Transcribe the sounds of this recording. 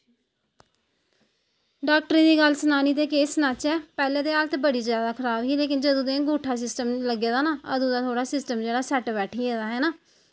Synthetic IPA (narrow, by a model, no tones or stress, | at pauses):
ɖaːk̚ʈɾĩːd̪iːɡəlsənaːniːt̪eːkeːsnat͡ʃɛːpɛːlẽːd̪eːaːlt̪ʰːbəɽiːzjaːd̪aːkʰəɾaːbɦiːleːkɪnd͡ʒəd̪õːd̪ẽːɡuːʈʰaːsɪsʈəmləɡeːd̪aːnaːəd̪ũːd̪aːt̪ʰoːɽaːsɪsʈəmd͡ʒeːɽaːsɛʈbɛːʈʰiːeːd̪aːɦɛːnaː